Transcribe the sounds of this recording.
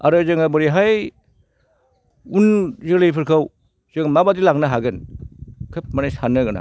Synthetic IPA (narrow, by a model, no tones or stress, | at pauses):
a̰ɾazɯŋabɯɾiɦaj | unzɯlejpʰɯɾkʰaw | z̥ɯŋmabadilaŋnaɦaɡɯnkʰɯp̚manasanːɯɡɯna̰